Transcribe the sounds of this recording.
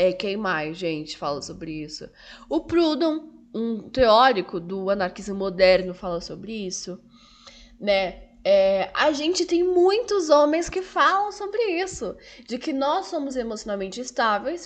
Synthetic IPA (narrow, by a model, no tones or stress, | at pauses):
ɛkejmajʒẽnt͡ʃɪ̥falɐsobɾɪisʊ̰ | ʊpɾud̪õw̃ũt̪eɔɾikʊd̪ʊɐnaɾkizmod̪ɛɾnʊfalɐsobɾɪisʊ | nɛ | ɛaʒẽnt͡ʃɪt̪ẽj̃mũj̃t̪ʊzõmẽj̃skɪfalɐ̃w̃sobɾɪisʊd͡ʒɪkɪnɔsːõmʊzemosionawmẽnt͡ʃɪːst̪avejs